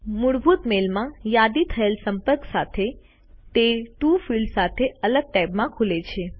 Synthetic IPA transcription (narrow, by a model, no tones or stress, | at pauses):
muɽbʱut̪melmãjad̪it̪ʰəelsəmpəɾksat̪ʰe | t̪eʈufiɭɖsat̪ʰeələɡ̚ʈɛbmãkʰulet͡ʃʰe